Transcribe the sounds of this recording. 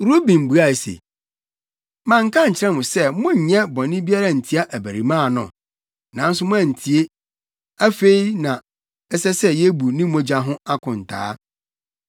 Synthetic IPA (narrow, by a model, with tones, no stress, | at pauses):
ɾu˦bĩ˨m˨bu˨a˦˨e˨sḛ˨ | mã˨ŋ̩˦kʰã˦ɲ̩˨t͡ɕʰɪ˨ɾɛ̃˦mʊ̃˨sɛ˦˨mʊ̃˦ɲ̩˨ɲɛ̃˦bɔ̃˨nɪ̃˦bi˦a˦ɾa˦˨n̩˨tʰi˨˦a˦ʔæ˨bæ˨ɾi˨mãː˦˨nʊ̰̃˨ | nã˨n̩˦sʊ˦mʊ̃˦æ̃˨n̩˨tʰi˨e˦ | æ˦fe˦i˦nã˨ | ɛ˦sɛ˦sɛ˦jɛ˦bu˨nɪ̃˦mɔ̃˦d͡ʑa˦ɦʊ̃˦a˦kʰʊ̃˨n̩˨tʰa̰ː˦